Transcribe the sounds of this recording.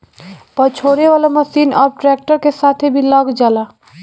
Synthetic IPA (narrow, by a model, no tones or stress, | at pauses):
pət͡ʃʰoɾeʋalaməsinɔ̰ːɾʈɾɛk̚ʈəɾkesat̪ʰebʱiləɡd͡ʒala